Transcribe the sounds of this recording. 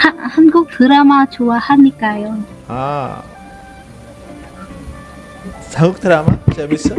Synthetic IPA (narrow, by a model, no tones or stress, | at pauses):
hahanɡuk̚tɯɾamat͡ɕowahamɲik͈ajo | a̰ | sʰaŋɡuk̚t̪ʰɯɾama̰t͡ɕamis͈ɯ